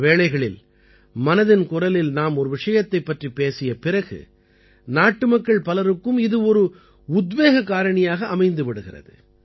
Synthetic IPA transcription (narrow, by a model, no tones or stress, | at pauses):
ʋeːɭɐɪɣɐɭɪ̰l | mɐnɐðɪnkʊrɐlɪlnaːmɔɾɯʋɪʂɐjɐt̪ːɐɪpːɐʈripeːsɪjɐpɪrɐɣɯ̰ | naːʈːɯmɐkːɐɭpɐlɐɾɯkːɯmɪðɯɔɾɯ | ʊd̪ʋeːɣɐkaːɾɐɳɪjaːɣɐːmɐɪnd̪ɯʋɪɽɯɣɪrɐ̰ðɯ̰